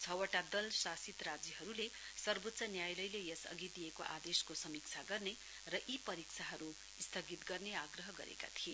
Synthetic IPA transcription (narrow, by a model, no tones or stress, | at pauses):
t͡sʰʌwʌʈad̪ʌlsasit̪rad͡ziɦʌɾulesʌrbot̪ːsʌnjajlʌjlejʌsʌ̰ɡid̪ijekoʔa̰d̪eskosʌmikt͡sʰaɡʌrne | rʌʔipʌɾikt͡sʰaɦʌɾu | st̪ʰʌɡit̪ɡʌrneaɡrʌɦʌɡʌ̰ɾḛka̰t̪ʰie